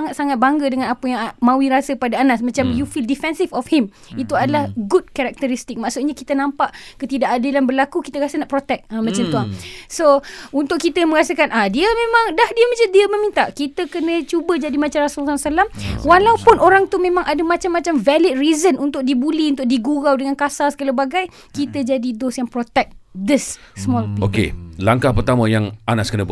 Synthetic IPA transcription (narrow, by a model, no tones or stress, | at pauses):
aŋat̪̚saŋat̪̚baŋɡədəŋãnapəjaŋmãwiɾasəpadaːnasmãt͡ʃamjufildifɛnsifɔfhim | it̪uadalahɡud̚kaɾak̚t̪əɾist̪ik̚maʔsut̪̚ɲakit̪ənãmpaʔkət̪idaʔadilanbərlakukit̪əkasənaʔpɾot̪ɛk̚əmãt͡ʃamt̪uaŋsount̪ʊʔ̚kːit̪əmə̃ɾasəkanʔahdiəmẽmãŋdahdiəmãt͡ʃadiəmə̃mĩnt̪aʔkit̪əkənə̃t͡ʃubəd͡ʒadimat͡ʃamɾasulsasalamwalaupʊnʔoɾaŋt̪umẽmãŋʔadəmat͡ʃamːat͡ʃamvɛlɪt̪̚rizənunt̪ʊʔ̚dibuliunt̪ʊʔ̚diɡuɣawdəŋankasalsə̥kalabaɡaj | kit̪əd͡ʒadidosjaŋpɾot̪ɛk̚d̪ɪsː | mɔlpio̰kḛlaŋkahpərt̪amə̃jaŋʔanaskənəb